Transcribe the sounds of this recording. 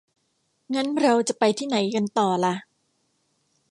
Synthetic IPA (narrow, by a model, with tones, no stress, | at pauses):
ŋa˦˥nɾa˧wt͡ɕa˨˩pa˧jt̪ʰiː˥˩na˩˦jka˧nt̪ɔː˨˩la˧˦ʔ